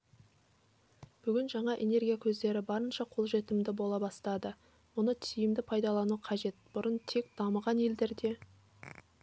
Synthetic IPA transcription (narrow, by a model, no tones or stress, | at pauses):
b̥ʏɡʲɪnʒɑɴɑʔe̞ne̞rɡʲijakʲʰɵzd̪e̞ɾɪbɑɾənʃɑqʰo̞lˠʒe̞t̪ɪmd̪ɪbo̞lˠɑbɑst̪ɑd̪ə | mʊnət̪ʰijɪmd̪ɪpʰɑjd̪ɑlˠɑnuqʰɑʒe̞t̪̚b̥ʊɾənt̪ʰe̞kd̪ɑməʁɑne̞ld̪e̞ɾd̪e̞